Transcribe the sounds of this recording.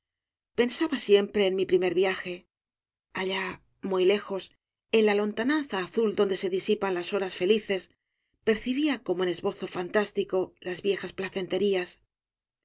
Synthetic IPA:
pe̞nsaβasje̞mpɾe̞ːnmipɾime̞ɾβjaxe̞ | aʎa | mujle̞xo̞s | e̞nlalo̞nt̪ananθaːθuld̪o̞nd̪e̞se̞ðisipanlaso̞ɾasfe̞liθe̞s | pe̞ɾθiβiako̞moene̞zβo̞θo̞fant̪ast̪iko̞lazβje̞xasplaθe̞nt̪e̞ɾias

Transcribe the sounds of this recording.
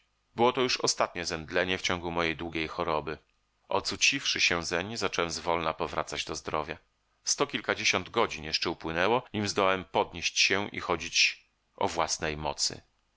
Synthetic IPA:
bɘwɔt̪ɔjuʂɔst̪at̪ɲɛzɛmd̪lɛɲɛft͡ɕɔ̃ŋɡumɔjejd̪wuɡʲejxɔɾɔbɘ | ʔɔ̰t̪sut͡ɕifʂɘɕɛzɛmɲizat͡ʂɛwɛmzvɔlnapɔvɾa̰t̪sad͡ʑd̪ɔzd̪ɾɔvʲja | st̪ɔkʲilkad͡ʑeɕɔnd̪ɡɔd͡ʑinjɛʂt͡ʂɛupwɘnɛwɔɲimzd̪ɔwawɛmpɔd̪ɲeɕt͡ɕɕɛʔḭxɔd͡ʑit͡ɕ | ʔɔ̰vwasnɛjmɔt̪sɘ̰

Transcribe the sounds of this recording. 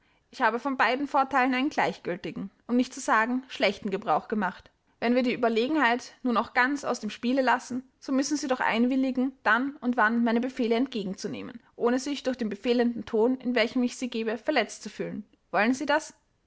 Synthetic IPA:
ʔɪçhaːbəfɔnbaɪdn̩foːɐtʰaɪlənaɪnənɡlaɪçɡ̥ʏltɪɡŋ̩ʔʊmnɪçtt͡suz̥aːɡŋ̩ʃlɛçtn̩ɡəbʁaʊxɡ̥əmaχt | vɛnviːɐdiːʔyːbɐleːɡŋ̩haɪtnuːɐnaʊxɡ̥ant͡sa̰ʊsd̥eːmʃpiːləlasn̩ | z̥oːmʏsn̩ziːdɔχʔa̰ɪnvɪlɪɡŋ̩d̥anʊntv̥anmaɪnəbəfeːləɛnt̚ɡ̥eːɡŋ̩t͡sunḛːmə̰nʔoːnəzɪçd̥ʊɐçd̥eːnbəfeːləndn̩tʰoːnɪ̰nvɛlçəmɪçz̥iːɡeːbəfɛɐlɛt͡stt͡sufyːlən | v̥ɔlənziːdas

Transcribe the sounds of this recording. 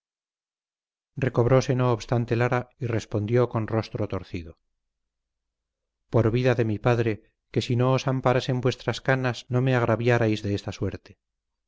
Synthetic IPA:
rre̞ko̞βɾo̞se̞no̞ːβst̪ant̪e̞laɾaire̞spo̞nd̪jo̞ko̞nro̞st̪ɾot̪o̞ɾθiðo | po̞ɾβiðaðe̞mipaðɾe̞ | ke̞sino̞ːsampaɾase̞mbwe̞st̪ɾaskanasno̞me̞aɣ̞ɾaβjaɾajzðeest̪aswe̞ɾt̪e

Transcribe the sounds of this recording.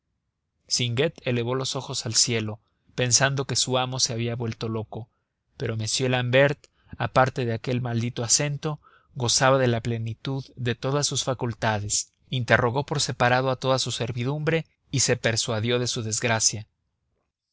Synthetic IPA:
siŋɡe̞t̪e̞le̞β̞o̞lo̞so̞xo̞salsje̞lo̞ | pe̞nsand̪o̞ke̞suamo̞se̞aβiaβwe̞lt̪o̞lo̞ko̞ | pe̞ɾo̞me̞sje̞lambe̞ɾt̪ | apaɾt̪e̞ðeake̞lmald̪it̪o̞ase̞nt̪o̞ | ɣo̞saβaðe̞laple̞nit̪uððe̞t̪o̞ðasːusfakult̪aðe̞s | int̪e̞ro̞ɣo̞po̞ɾse̞paɾaðo̞at̪o̞ðasuse̞ɾβiðumbɾe̞ | ise̞pe̞ɾswaðjo̞ðe̞suðe̞zɣɾasja

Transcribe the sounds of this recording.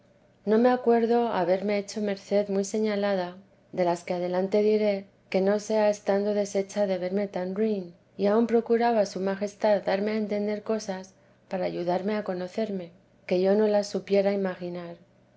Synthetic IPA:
no̞me̞akwe̞ɾðo̞a̰βe̞ɾme̞et͡ʃo̞me̞ɾθe̞ðmujse̞ɲalað̞a | ðe̞laskeað̞e̞lant̪e̞ðiɾe̞ | ke̞no̞se̞aest̪and̪o̞ðe̞se̞t͡ʃaðe̞βe̞ɾme̞t̪anɾin | iaumpɾo̞kuɾaβasumaxe̞st̪aðd̪aɾmeaent̪e̞nd̪e̞ɾko̞sas | paɾaːʝuðaɾme̞ako̞no̞θe̞ɾme̞ | ke̞ʝo̞no̞lasupje̞ɾaimaxinaɾ

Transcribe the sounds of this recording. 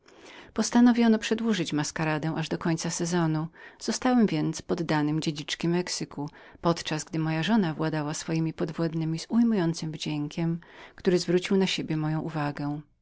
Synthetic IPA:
pɔst̪anɔvʲjɔnɔpʂɛd̪wuʐɘt͡ɕmaskaɾad̪ɛ̃w̃ʔaʐd̪ɔkɔɲʲt̪sasɛzɔnuz̥ɔst̪awɛmvʲjɛnt̪spɔd̪ːanɘmd͡ʑed͡ʑit͡ʂkʲimɛksɘkʰupɔt̪t͡ʂazɡd̪ɘmɔjaʐɔnavwad̪awasfɔjimʲipɔd̪vwɔd̪nɘmʲiz̥ujmujɔnt̪sɘmvd͡ʑɛŋkʲɛmkt̪uɾɘzvɾut͡ɕiwnaɕebʲjɛmɔjɔ̃w̃ʔuvaɡɛ

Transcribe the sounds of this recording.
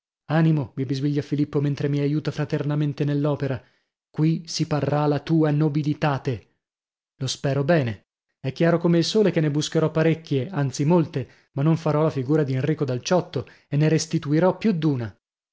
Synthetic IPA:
animomibizviʎːafilipːoment̪ɾemiajuːt̪afɾat̪ernament̪enelːɔːpeɾa | kwisiparːalat̪uːanobilit̪aːt̪e | lospɛːɾobɛːne | ɛkːjaːɾokomeilsoːlekenːebuskeɾɔpːaɾekʲːjeant̪simolt̪e | manːoɱfaɾɔlafiɡuːɾad̪ienriːkod̪alt͡ʃɔt̪ːo | enːeɾest̪it̪uiɾɔpːjud̪ːuːna

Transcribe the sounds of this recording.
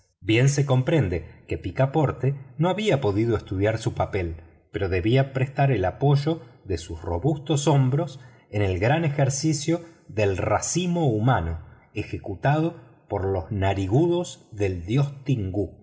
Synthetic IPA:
bje̞nseko̞mpɾe̞nd̪eke̞pikapo̞ɾt̪eno̞aβiapo̞ðið̞oest̪uðjaɾsupape̞l | peɾo̞ðe̞βiapɾest̪aɾelapo̞ʒo̞ðesusro̞βust̪o̞so̞mbɾo̞s | ene̞lɣɾane̞xeɾsisjo̞ðe̞lrasimo̞umano̞ | exekut̪að̞o̞ | po̞ɾlo̞znaɾiɣuðo̞zðe̞ld̪jo̞st̪iŋɡu

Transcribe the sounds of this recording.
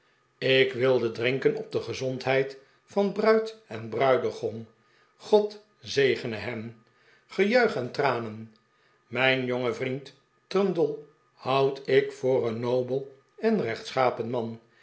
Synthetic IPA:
ɪkʋɪlˠdədrɪŋkənɔp̚dəχəzɔntɦɛjt | fɑnbrœɥtɛnbrœɥdəχɔn | χɔt | zejχənəɦɛm | χəjœɥχɛntraːnən | mɛjnjoŋəvrint | trœndəlˠ | hʌwtɪkfʊːrənːowbəlˠ | ɛnrɛχtsχaːpənmɑn

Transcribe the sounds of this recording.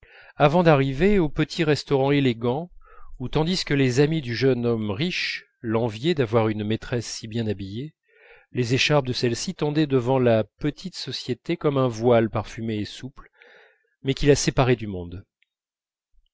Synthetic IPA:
avɑ̃d̪aʁiveopət̪ʰiʁɛst̪ɔʁɑ̃eleɡɑ̃ut̪ɑ̃d̪iskəlezamid̪yʒœnɔmʁiʃ | lɑ̃vjed̪avwaʁynmet̪χɛsːibjɛ̃nabije | lezeʃaʁb̚d̪əsɛlsit̪ɑ̃d̪ɛd̪əvɑ̃lapət̪ʰit̪sɔsjet̪ekɔmɛ̃vwalpaʁfymeːsupl | mɛkʲilasepaʁɛd̪ymɔ̃d̪

